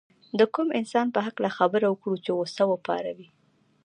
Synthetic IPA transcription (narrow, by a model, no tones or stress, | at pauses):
d̪əkumɪnsɑnpəɦaklaxabəɾawəkɽut͡ʃewosawəpɑ̰ɾawi